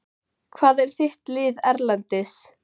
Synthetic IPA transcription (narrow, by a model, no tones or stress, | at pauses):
kʰvaːðɛɾ̥θɪht̪lɪːðɛɾlant̪ɪs